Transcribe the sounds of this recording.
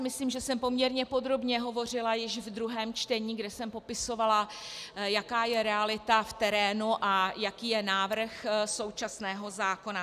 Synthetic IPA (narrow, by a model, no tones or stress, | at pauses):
mɪsliːmʒɛsɛmpo̞mɲɛɾɲɛpo̞d̪ɾo̞bɲɛɦo̞vo̞r̝ɪlajɪʃvd̪ɾuɦɛːmt͡ʃt̪ɛɲiːɡdɛsɛmpo̞pɪso̞vala | jakaːjɛɾɛalɪt̪aft̪ɛɾɛːnuʔajakiːjɛnaːvr̩xso̞wt͡ʃasnɛːɦo̞zaːko̞na